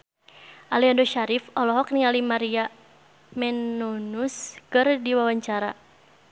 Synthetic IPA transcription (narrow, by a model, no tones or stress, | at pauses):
ʔaliandoʃaɾifɔlɔɦɔk̚niŋalimaɾia | mɛnunuskɨrdiwawaɲt͡ʃaɾa̰